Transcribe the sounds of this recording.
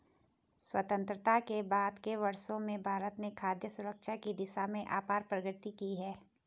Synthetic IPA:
swɐt̪ə̃nt̪ɾət̪akebaːd̪keʋɐɾsõmẽbʱaːɾət̪nekʰaːd̪jəsʊɾəkʃakid̪ɪʃamẽʔaːpaːɾpɾəɡɾɪt̪ikiɦɛː

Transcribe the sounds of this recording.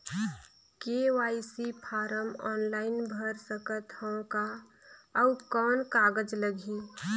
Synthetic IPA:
kewaɪsipʰaːɾəmɔːnlaːɪnbʱəɾsəkət̪hə̃ka | əukɔːnkaːɡəd͡ʒləɡʱi

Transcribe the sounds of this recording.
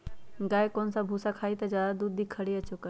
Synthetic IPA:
ɡaːekoːnsãbʱusakʰaːit̪ɐzjaːd̪ad̪uːd̪ʱikʰːəɽeət͡ʃokəɾ

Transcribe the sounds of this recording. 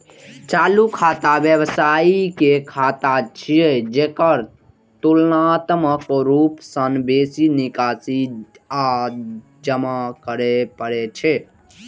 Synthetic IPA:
t͡ʃalukʰat̪abjebsaikekʰat̪at͡ʃʰied͡ʒekəɾ | t̪ulnat̪məkɾupsənbesinikasi | a | d͡ʒəmakəɾepəɾet͡ʃʰɛ

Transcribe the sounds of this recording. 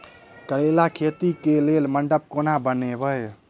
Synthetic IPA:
kəɾelakʰet̪ikelelməɳɖəp̚konabənebʱəj

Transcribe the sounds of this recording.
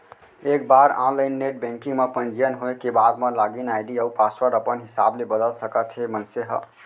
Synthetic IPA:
ek̚baɾɔ̃nlainːeʈ̚bɛ̃ŋkiŋɡmepənd͡ʒijənɦoekebad̪melaɡinajɖiəupaswəɾəpənɦisablebəd̪əlsəkət̪ʰɦemənseɦə̰

